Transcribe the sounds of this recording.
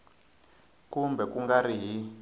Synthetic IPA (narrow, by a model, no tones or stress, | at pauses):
kumbɛkuŋɡariɦi